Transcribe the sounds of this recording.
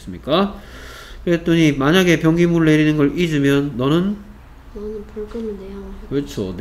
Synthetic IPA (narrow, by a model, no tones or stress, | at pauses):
s͈ɯmɲik͈a | kɯɾet͈oɲimaɲaɡe̞pjʌŋɡimuɾɯɭːe̞ɾinɯnɡʌɭid͡ʑɯmjʌnːʌnɯn | nʌnɯnpuɭɡ͈ɯmidejokʌɭt͡ɕʰon